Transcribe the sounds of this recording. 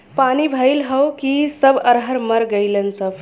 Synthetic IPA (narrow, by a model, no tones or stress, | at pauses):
panibʱəjlɦəwkisəbəɾɦəɾməɾɡəjlənsəb